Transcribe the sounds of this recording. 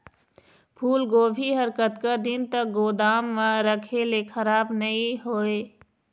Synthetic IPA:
pʰuːlɡoːbʱiɦəɾkət̪kad̪ɪnt̪ək̚ɡoːd̪aːmːãɾəkʰelekʰəɾaːbnɐĩɦoːeː

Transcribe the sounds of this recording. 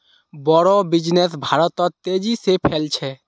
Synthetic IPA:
bɔɾɔbid͡ʒnesbʱaɾɔt̪ɔt̪t̪ed͡ʒisepʰelt͡ʃʰɛ

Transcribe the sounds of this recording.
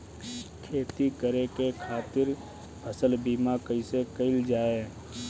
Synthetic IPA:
kʰeːt̪ikəɾekekʰaːt̪ɪɾ | pʰəsəlbiːmakəisekəɪld͡ʒaːe

